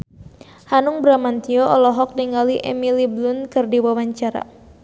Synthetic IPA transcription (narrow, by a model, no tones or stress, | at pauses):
hanʊŋbɾamant̪iɔʔɔlɔɦɔk̚diŋaliʔɛ̰miliblʊnkɨrdiwawaɲt͡ʃaɾa̰